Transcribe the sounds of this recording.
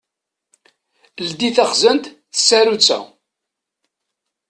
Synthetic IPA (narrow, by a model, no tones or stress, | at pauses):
ld̪iθæχzənt̪ | θə̥sːæɾut͡sːæ̰